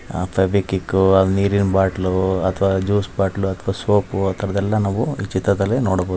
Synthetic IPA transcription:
pʰɐbikikːuɐlniːɾinbaːʈluɐt̪ʰɐʋaːd͡ʒuːsbaːʈluɐt̪ʰʋaːsoːpuɐt̪ʰːɐɾɐd̪ɛlːɐnaːʋuit͡ʃːit̪ːɐt̪ɐlenoːɽɐboːd̪

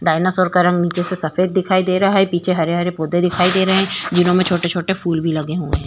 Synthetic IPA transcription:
ɖaːɪnəsɔːɾkaɾɐ̃ŋɡniːt͡ʃesesɐfeːd̪̚ːɪkʰaːid̪eːɾɐɦaɦɛpiːt͡ʃʰeɦɐɾeɐɾepoːd̪ed̪ɪkʰaːid̪eːɾɐɦeɦɛ̃ːd͡ʒɪnõmẽt͡ʃʰoːʈet͡ʃʰoːʈefuːlbʱilɐɡeɦʊḛɦɛ̃ː

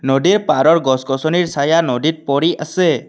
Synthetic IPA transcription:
nɔɖiɾpaɾɔɾɡɔsɡɔsɔniɾsajanɔɖit̚pɔɾiasɛ

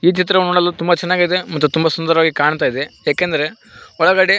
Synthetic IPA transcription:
iːt͡ʃit̪̬ɾɐʋnoːɽɐlːut̪umbɐt͡ʃɛnːaːɡid̪emɐt̪ːut̪umbɐsund̪ɐɾɐʋaːɡikaːɳt̪aːjid̪ejaːkend̪ɐɾe̞ | ɔɭɐɡaːɽe

